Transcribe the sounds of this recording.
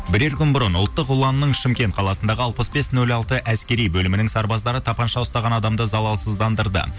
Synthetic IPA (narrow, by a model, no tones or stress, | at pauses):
bɪɾe̞ɾkʲʏnbʊɾənʊlˠt̪ːəqulˠɑnənəɴʃɪmkʲe̞nt̪̚qʰɑlˠɑsənd̪ɑʁəɑlˠpəsbe̞snɵlɑlˠt̪əʔæskʲe̞ɾijbɵlɪmɪnɪŋsɑɾbɑzd̪ɑɾət̪ʰɑpɑnʃɑʊst̪ɑʁɑnɑd̪ɑmd̪əzɑlˠɑlˠsəzd̪ɑnd̪əɾd̪ə̰